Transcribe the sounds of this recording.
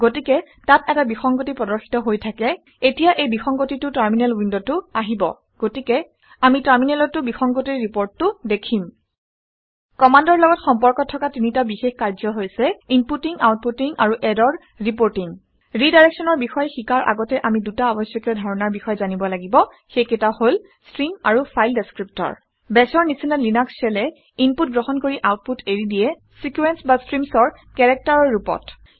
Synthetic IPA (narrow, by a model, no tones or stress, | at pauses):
ɡotikɛ | tatɛtabixɔŋɡotipɹɔdɔɹxi̥tɔɦojtʰakɛ | etijaʔejbixɔŋɡotitʊtaɹminɛlwindotʊaɦibɔ̰ | ɡ̥otikɛ | amitaɹminɛlɔtːʊbixɔŋɡotiɹɹipoɹtːʊdekʰim | kɔmandɔɹlɔɡɔtxɔmpɔɹkɔtʰːɔkatinitabixexkaɹzɔɦojsɛimputiŋawt̚putiŋaɹuʔɛdɔɹ | ɹip̬oɹtiŋ | ɹidajɹɛksɔnɔɹbixɔjxikaɹʔa̰ɡɔtɛʔamidutaɔbɔsjɔkɔdʱɔɹɔnaɹbixɔjzanibɔlaɡibɔ | xejkɛtahol | stɹimaɹupʰajldeskɹip̚tɔ̰ɹ | bɛsɔɹnisinalinaksɛlɛ | imput̚ɡɹoxɔnkoɹiʔawt̚putʰeɹidijɛ | sikwɛnsbastɹimsɔɹ | kɛɹɛk̚taɹɔɹːupɔ̰t